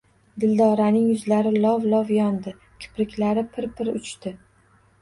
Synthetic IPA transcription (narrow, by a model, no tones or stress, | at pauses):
d̪ɪld̪ɒɾanɪŋjʊzlaɾɪlɒvlˠɒvjɒnd̪ɪ | kʲʰɪ̥pɾɪkʲlaɾɪpʰɪɾpʰɪɾʊ̰t͡ʃt̪ɪ